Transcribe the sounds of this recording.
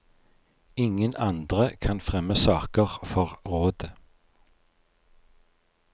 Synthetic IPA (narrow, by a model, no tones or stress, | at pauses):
ɪŋənɑnd̪ʁəkʰɑnfʁɛməsɑːkəʁfɔʁʁoːd̪ə